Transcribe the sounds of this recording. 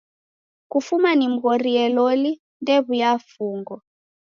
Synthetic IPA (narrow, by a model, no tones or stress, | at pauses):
kufumanim̩ɣɔɾiɛlɔli | ndɛβujafuːŋɡɔ